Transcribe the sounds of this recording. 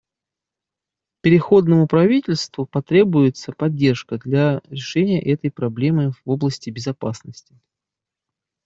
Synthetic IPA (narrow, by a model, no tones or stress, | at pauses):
pʲɪɾʲɪxo̞d̪nəmʊpɾɐvʲitʲɪlʲst̪vʊpɐt̪ɾʲe̞bʊjɪt̪səpɐdʲːe̞rʂkəd̪lʲaɾʲɪʂɛnʲɪjə̰ʔɛt̪əjpɾɐblʲe̞mɨvo̞blˠəsʲtʲɪbʲɪzɐpasnəsʲtʲɪ